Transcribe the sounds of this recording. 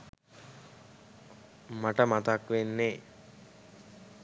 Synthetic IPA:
maʈəmat̪akʋenːe

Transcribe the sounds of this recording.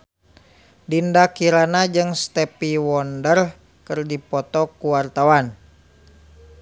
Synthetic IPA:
dindakiɾanad͡ʒɨŋst̪ɛpiwɔndər | kərdipɔt̪ɔkuwart̪awan

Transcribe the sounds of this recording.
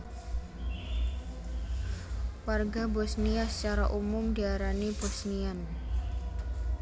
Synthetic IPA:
warɡabɔsniasə̥t͡ʃaɾaʔumʊmdiaɾanibɔsnian

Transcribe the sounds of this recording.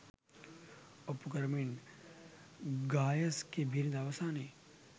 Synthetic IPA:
opukɐɾmin | ɡaːjɐskebʱiɾd̪aːʋɐsaːne

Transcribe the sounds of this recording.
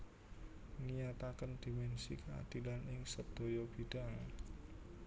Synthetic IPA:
ŋiɲat̪akənd̪̥imɛnsḭkəa̰d̪̥i̤lanɪŋsəd̪̥o̤jɔb̥i̤d̥a̤ŋ

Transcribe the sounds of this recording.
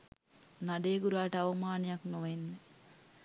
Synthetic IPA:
naɖeːɡuɾaːʈəaʋɐmaːnejaknoʋenːə

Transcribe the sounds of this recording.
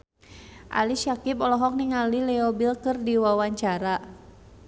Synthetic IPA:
ʔa̰liʃakipɔlɔɦɔk̚niŋalilɛɔbilkɨrdiwawaɲt͡ʃaɾa

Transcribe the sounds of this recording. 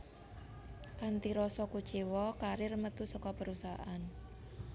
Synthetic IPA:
kant̪iɾɔsɔkut͡ʃiwɔkaɾirmət̪usɔkɔpəɾusaan

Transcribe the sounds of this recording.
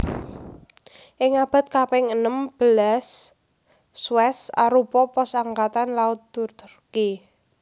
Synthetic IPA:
ʔɪŋab̥a̤t̪̚kapɛŋənəmb̥ə̤lasː | wɛsa̰ɾupɔpɔsaŋkat̪anlaʊt̪̚t̪urt̪rki

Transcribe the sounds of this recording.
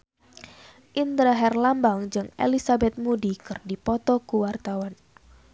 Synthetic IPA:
ʔind̪ɾaɦɛrlambaŋd͡ʒɨŋḛlisabɛt̪̚mudikɨrdipɔt̪ɔkuwart̪awan

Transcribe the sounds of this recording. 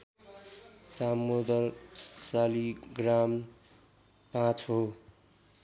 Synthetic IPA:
t̪amːod̪ʌlsaliɡram | pãt͡sɦo

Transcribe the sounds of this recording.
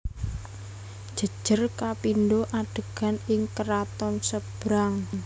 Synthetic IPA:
d̥ʒ̥ə̤d̥ʒ̥ərkapindoʔaɖ̥ə̤ɡ̥a̤nɪŋkəɾat̪ɔnsəb̥ɾaŋ

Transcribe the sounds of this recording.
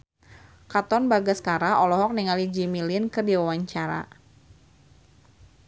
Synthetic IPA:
kat̪ɔnbaɡaskaɾaɔlɔɦɔk̚niŋalid͡ʒimilɪnkərdiwawaɲt͡ʃaɾa̰

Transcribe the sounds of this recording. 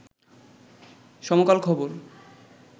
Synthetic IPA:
ʃɔmokalkʰɔboɾ

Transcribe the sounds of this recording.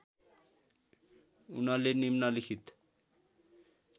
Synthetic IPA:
ṵnalenimnalixʰit̪

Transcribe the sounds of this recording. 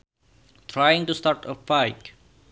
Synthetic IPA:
tʰɾajɪ̃ŋtustatəfaɪk

